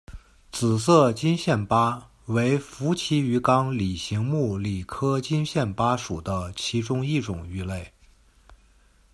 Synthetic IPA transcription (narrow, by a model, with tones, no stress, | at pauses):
t͡sɹ̩˨˩s̬ɤ˥˧t͡ɕi˥nɕjɛ˥˩npa˥ | we˧˥ɪfu˧˥t͡ɕʰi˥y˧˥kɑ˥ŋli˨˩ɕi˧˥ŋmu˥˩li˨˩kʰɤ˥t͡ɕi˥nɕjɛ˥˩npa˥ʂu˨˩d̪ə˦t͡ɕʰi˧˥ʈ͡ʂʊ˥ŋi˥˩ʈ͡ʂʊ˨˩ŋy˧˥˧le˥˩ɪ